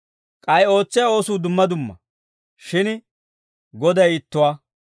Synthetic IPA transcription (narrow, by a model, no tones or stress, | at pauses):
kʼɐjo̞ːt͡sːɪjɐo̞ːsuːd̪ʊmːɐd̪ʊmːɐ̰ | ʃɪn | ɡɔd̪ɐjɪt̪ːʊwaː